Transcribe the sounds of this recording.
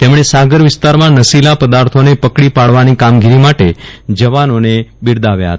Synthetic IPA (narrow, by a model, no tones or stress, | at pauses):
t̪emɳesaɡəɾʋɪst̪aɾmãnəsilapəd̪aɾt̪ʰonepəkɽipaɽʋanikamɡiɾimaʈed͡ʒəʋanonebɪɾd̪aʋja̰ɦə̰t̪a